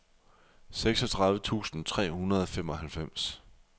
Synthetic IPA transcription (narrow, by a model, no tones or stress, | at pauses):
seɡ̥sɒ̽t͡sʰʁɑ̈ðˠʋət͡sʰṵːsn̩t͡sʰʁɛ̰ːhunɐð̞ˠɒ̽fem̰ɒ̽ɦælfem̰s